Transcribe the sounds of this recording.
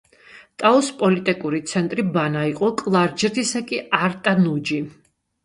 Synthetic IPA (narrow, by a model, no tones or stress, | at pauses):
t̪ʼaɔspʼɔlit̪ʼikʼuɾit̪sʰɛnt̪ʼɾibanaiqʼɔkʼlˠaɾd͡ʒɾt̪ʰisakʼiaɾt̪ʼanud͡ʒi